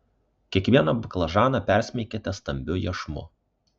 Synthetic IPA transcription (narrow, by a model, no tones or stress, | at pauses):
kʲiɛkʋʲiɛnɐbʊklˠɐʒɑːnɐpʲæɾʲsʲmʲɛkʲet̪ʲɛst̪ɐmʲbʲʊjɛʃmʊ̰